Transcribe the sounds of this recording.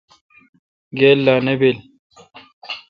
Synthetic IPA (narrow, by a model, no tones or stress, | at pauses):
ɡeːlːaːnebel